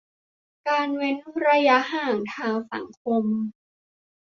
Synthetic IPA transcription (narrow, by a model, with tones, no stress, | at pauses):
kaː˧nwe˦˥nɾa˧ja˦˥ɦaː˧˩ŋt̪ʰaː˧ŋsa̰˨˩˦ŋkʰo˧m